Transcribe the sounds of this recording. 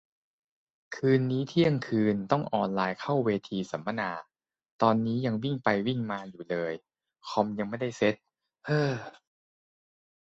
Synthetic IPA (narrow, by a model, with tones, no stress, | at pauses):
kʰɯː˧nːiː˦˥t̪ʰi˥˩əŋkʰɯː˧nt̪ɔ˥˩ŋʔɔː˧˩nlaː˧jkʰa˥˩wweː˧t̪ʰiː˧sa˩˦ma˧naː˧ | t̪ɔː˧nːiː˦˥ja˧ŋwi˥˩ŋpa˧jwi˥˩ŋmaː˧juː˨˩lɤː˧j | kʰɔ˧mja˧ŋma˥˩jda˥˩jse˦˥t̪̚ | ʔɤː˧˩